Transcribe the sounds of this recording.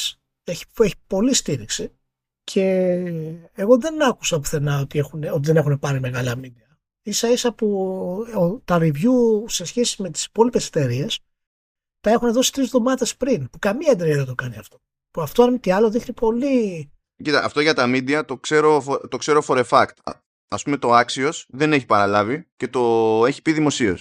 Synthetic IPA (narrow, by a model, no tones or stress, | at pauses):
eçi̥eçi̥po̞list̪iɾiksi | cʰe̞ | ɣo̞ðe̞nɐku̥sɐpuθe̞nɐo̞t̪ie̞xuneo̞t̪iðe̞ne̞xune̞pɐɾime̞ɣɐlɐmid̪iɐ | isɐisɐpuot̪ɐɾivʝuse̞sçe̞si̥me̞t̪i̥si̥po̞lipe̞set̪e̞ɾie̞s | t̪ɐe̞xune̞ðo̞si̥t̪ɾizðo̞mɐðe̞spɾinpukɐmiɐnd̪ɾiɐðet̪o̞kɐniɐft̪o̞̥ | puɐft̪oɐnmit̪iɐloðixnipʰo̞li | cit̪ɐ̰ʔːft̪o̞ʝɐt̪ɐmid̪iɐt̪o̞kse̞ɾo̞fot̪o̞kse̞ɾofo̞ɾe̞fɐkt̪ | ɐspumet̪o̞ɐksio̞sðe̞ne̞çi̥pɐɾɐlɐvice̞t̪o̞e̞çi̥piðimo̞sio̞̰s